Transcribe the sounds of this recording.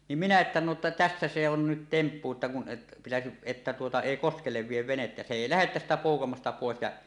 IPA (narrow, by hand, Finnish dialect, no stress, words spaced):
nim minæ etːæ no tæsːæ se on nyt tempːu etːæ kun pitæsiʔ ʔetːæ tuotɑ eˑi koskelːeʋ ʋieʋ ʋenetːæ se eˑi læhet tæstæ poˑukɑmɑstɑ poˑes jɑ